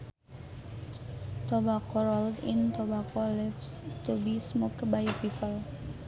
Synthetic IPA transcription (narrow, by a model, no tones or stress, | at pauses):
t̪obakɔɾɔldint̪obakɔlɛfst̪ubismɔkbajpipəl